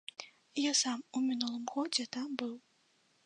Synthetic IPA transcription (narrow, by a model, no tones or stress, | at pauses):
jasamumʲinulˠɨmɣɔd͡zʲɛt̪ambɨw